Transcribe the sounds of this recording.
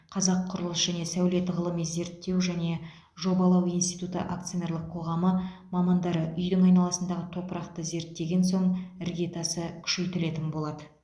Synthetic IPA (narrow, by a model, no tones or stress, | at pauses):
qʰɑzɑqʰːʊɾəlˠəsʒ̥æne̞sæwle̞t̪ʁəlˠəmijze̞ɾt̪ːe̞wʒæne̞ | ʒo̞bɑlˠɑwijnst̪ijt̪ut̪ə̰ʔak̚t̪sɨjone̞ɾlˠəqʰːo̞ʁɑməmɑmɑnd̪ɑɾəʔʏjd̪ɪŋɑjnɑlˠɑsənd̪ɑʁət̪ʰo̞pəɾɑqt̪əze̞ɾt̪ːe̞ɡʲe̞nso̞ɴɪɾɡʲe̞t̪ɑsəkʲʰʏ̥ʃe̞jt̪ɪle̞t̪ɪnbo̞lˠɑd̪ə